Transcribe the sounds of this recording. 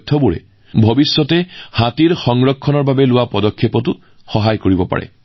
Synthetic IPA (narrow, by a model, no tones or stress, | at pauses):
tʰːɔbuɹɛ̰ | bʱɔbisːɔtɛhatiɹxɔŋɹɔkʰːɔnɔɹbabɛlʊwapɔdɔkʰːjepɔtʊ | xɔɦajkoɹibɔpa̰ɹɛ̰